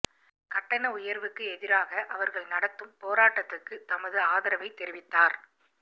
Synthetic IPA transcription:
kɐʈːɐnɐʊjɐɾʋɯkːɯɛðɪɾaːɣɐʔɐʋɐɾɣɐɭnɐɽɐt̪ːɯmpoːɾaːʈːɐt̪ːɯrkɯt̪ɐmɐðɯaːðɐɾɐʋɐɪt̪ːɛɾɪʋɪt̪ːaːɾ

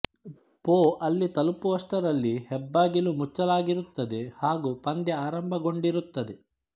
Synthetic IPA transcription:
poːʔɐlːit̪ɐlupuʋɐsʈɐɾɐlːihɛbːaːɡilumut͡ʃːɐlaːɡiɾut̪ːɐd̪ehaːɡuːpɐnd̪jɐaːɾɐmbʱɐɡo̞ɳɖiɾut̪ːɐd̪e

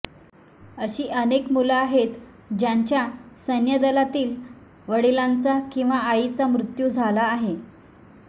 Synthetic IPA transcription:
əɕiːʔənekmulaːɦet̪ | d͡ʑãɲt͡ɕjasənjəd̪əlat̪iːl | ʋəɽilant͡sakĩw̃ʋaːit͡samɾut̪juːd͡zʱalaːɦe

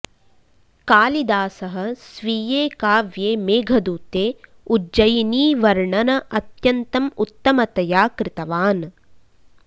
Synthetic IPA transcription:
kaːlid̪aːsɐɦɐ̆sʋiːjeːkaːʋjeːmeːɡʱɐd̪uːt̪eː | ud͡ʒɐjniːʋɐɾɳɐnɐʔɐt̪jɐnt̪ɐmut̪ːɐmɐt̪ɐjaːkɾɪt̪ɐʋaːn

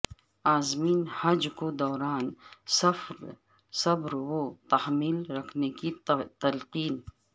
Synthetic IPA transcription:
aːzmiːnhad͡ʒkod̪ɔːɾaːnsfɾ | sɐbɾwot̪ahmiːlɾɐkʰnekit̪ɐlqiːn

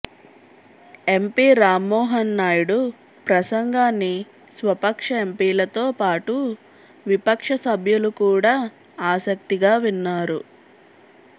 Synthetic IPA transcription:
e̞mpiːɾaːmːɔːɦɐnːaːjuɽu | pɾɐsɐŋɡaːnːi | sʋɐpɐkʂɐe̞mpiːlɐt̪oːpaːʈu | ʋipɐkʂɐsɐbʱjulukuːɽaː | aːsɐk̚t̪iɡaːʋinːaːɾu

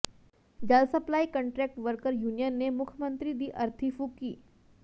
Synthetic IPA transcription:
d͡ʑalsəplaikəɳʈɾɛk̚ʈʋəɾkəɾjunijənːemukʰjəmənt̪ɾiːd̪iːʔəɾt̪ʰifukiː

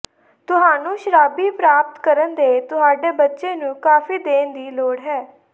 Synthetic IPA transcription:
t̪ʊɦaːnũːʃəɾaːbiːpɾaːp̚t̪kəɾənd̪eːt̪ʊɦaːɖeːbətːʃeːnũːkaːfiːd̪eːnd̪iːloːɽɦɛː

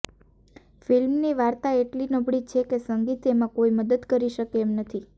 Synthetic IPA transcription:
filmniʋaɾt̪aeʈlinəbʱɽit͡ʃʰekesəŋɡit̪emãkoiməd̪əd̪kəɾiʃəkeemnət̪ʰi

